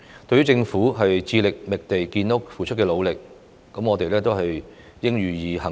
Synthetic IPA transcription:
t̪ɵ˧ɥyː˥t͡sɪ˧ŋfuː˨˥ɦɐ˨jt͡siː˧lɪ˨k̚mɪ˨k̚t̪e˨jkiː˧nʊ˥k̚fuː˨t͡ʃʰɵ˥t̚kɛː˧lo˨˧wlɪ˨k̚ː | ɐ˨˥mŋɔ˨˧t̪e˨jlɛː˥t̪o˥wɦɐ˨j | jɪ˥ŋjyː˨˩jiː˨˧hɐ˨˩

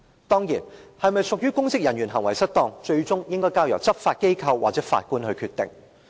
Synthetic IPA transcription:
t̪ɔː˥ŋjiː˨˩nhɐ˨jmɐ˨jsʊ˨k̚jyː˥kʊ˥ŋsɪ˥k̚jɐ˨njyː˨˩nɦɐ˨˩ŋwɐ˨˩jsɐ˥t̚t̪ɔː˧ŋt͡ʃɵ˧ɥt͡sʊ˥ŋjɪ˥ŋkɔː˥jkaː˧˥wjɐ˨wt͡sɐ˥p̚faː˧t̚ke˥jkʰɐ˧wːaː˨t͡sɛː˨˥fa̰ː˧t̚kuː˥nhɵ˧ɥkʰyː˧t̪ɪ̰˨ŋ

